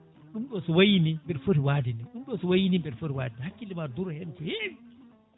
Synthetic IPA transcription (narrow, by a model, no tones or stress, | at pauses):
ɗumɗɔsɔwajinimbɛɾfoɾiwaːdinɛɗumɗɔsɔwajinimbɛɾfoɾiwa̰ːdinɛhakːilimaduɾhɛnfɔhe